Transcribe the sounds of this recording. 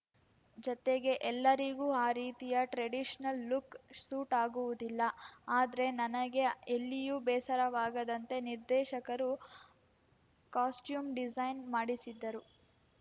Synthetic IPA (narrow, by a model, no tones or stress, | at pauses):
d͡ʒɔt̪eɡe̞ʔɛlːɐɾiɡuːaːɾiːt̪ijɐʈɾeɖiʃɐnɐlːuksuːʈaːɡuʋud̪ilːɐaːd̪ɐɾe̞nɐnɐɡe̞elːijubɛːsɐɾɐʋaːɡɐd̪ɐnt̪e̞niɾd̪ɛːʃɐkɐɾu | kaːsʈjuːmɖid͡ʒɐjnmaːɽisid̪ːɐɾu